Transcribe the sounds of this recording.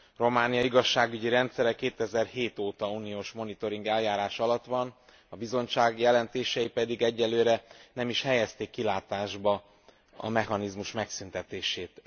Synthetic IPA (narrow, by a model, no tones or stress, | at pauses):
ro̞maːnijɒiɡɒʃːaːɡyɟiɾɛnt̪sɛɾɛkːeːt̪ɛzɛrɦeːt̪oːt̪ɒuːnioːʃmo̞nit̪o̞ɾiŋɡɛljaːɾaːʃɒlɒt̪ʋɒn | ɒbizo̞ɲt͡ʃaːɡjɛlɛnt̪eːʃɛjipɛd̪iɡɛɟːɛlːøːɾɛnɛmiʃhɛjɛst̪ekːilaːt̪aːʒbɒ | ɒ̰mɛhɒnizmuʃmɛksynt̪ɛt̪eːʃeːt̪